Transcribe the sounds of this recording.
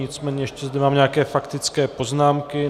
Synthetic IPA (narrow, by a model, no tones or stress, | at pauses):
ɪt͡smɛːɲɛjɛʃcɛzd̪ɛmaːmɲɛakɛːfakt̪ɪt͡skɛːpo̞znaːmkɪ